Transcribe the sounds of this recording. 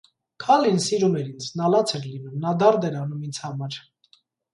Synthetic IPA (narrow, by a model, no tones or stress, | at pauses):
kʰɑlinsiɾumɛɾint͡sʰnɑlɑt͡sʰɛɾlinumnɑd̪ɑɾd̪ɛɾɑnumint͡sʰhɑmɑɾ